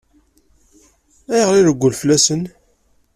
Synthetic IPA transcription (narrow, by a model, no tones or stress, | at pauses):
æjəʁliɾəɡʷːʊlflæsən